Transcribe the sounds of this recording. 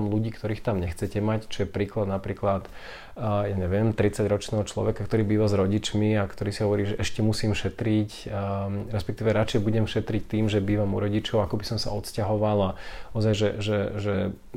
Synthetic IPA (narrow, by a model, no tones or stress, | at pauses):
mluɟiːkt̪ɔɾiːxt̪amɲɛxt͡sɛcɛmact͡ʃɔjɛpɾiːklad̪napɾiːklat̪ | jaɲɛʋɪɛmt̪ɾit͡saɟɾɔt͡ʃnɛːɦɔt͡ʃlɔ̰ʋɛkakt̪ɔɾiːbiːʋazɾɔɟit͡ʃmiakt̪ɔɾiːsiɦɔʋɔɾiːʒɛʔɛʃcɛmusiːmʃɛt̪ɾic | ɾɛspɛkt̪iːʋɛɾat͡ʃɛɛbuɟɛmʃɛt̪ɾict̪iːmʒɛbiːʋamuɾɔɟit͡ʃɔʊakɔbisɔmsa̰ɔt̪scaɦɔʋalaɔzajʒɛʒɛʒɛ